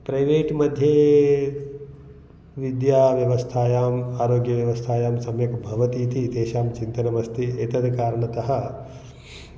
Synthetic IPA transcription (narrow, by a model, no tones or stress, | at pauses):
pɾɐjʋeːʈmɐd̪ʱjeː | ʋid̪jaːʋjɐʋɐst̪ʰaːjaːmaːɾoːɡjɐʋjɐʋɐst̪ʰaːjaːmsɐmjɐkbʱɐʋɐt̪iːt̪id̪eːʃaːmt͡ʃint̪ɐnɐmɐst̪ʰiet̪ɐd̪kaːɾɐɳɐt̪ɐɦɐ